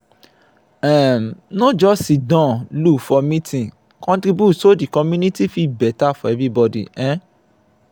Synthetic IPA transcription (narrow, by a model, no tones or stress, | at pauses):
ɛ̃mnɔ̃d͡ʒɔsidãlufɔmĩtĩ | kɔ̃ntɾibusodikɔ̃mũnĩtifibɛtafɔ̃ɛvɾibɔdḭɛ̃